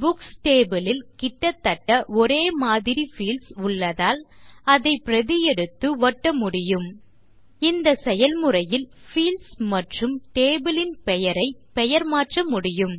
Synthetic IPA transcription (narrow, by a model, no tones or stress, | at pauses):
bʊksʈeːbɪlɪlkɪʈːɐt̪ːɐʈːɐʔɔɾeːmaːðɪɾifiːlsʊɭːɐðaːlɐðɐɪpɪɾɐðɪjɛɽɯt̪ːɯʋɐʈːɐmʊɽɪjɯm | ɪnd̪ɐsɛjɐlmʊrɐjɪlfiːlsmɐʈrɯmʈeːbɪlɪnpɛjɐɾɐɪpɛjɐɾmaːʈrɐmʊɽɪjɯm